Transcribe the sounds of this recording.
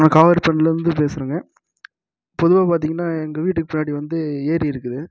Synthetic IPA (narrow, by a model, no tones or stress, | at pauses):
nɐkaːʋɐɾpɐnɪlɾɯnd̪ɯpeːsɯɾɯːŋɡɐ | pɔðɯʋaːpaːɾt̪̬iːŋɡɐnːaːɛŋɡɐʋiːʈːɯkːɯpʊnːaːɽiʋɐnd̪ɯeːɾiɪɾɯkːɯðɯ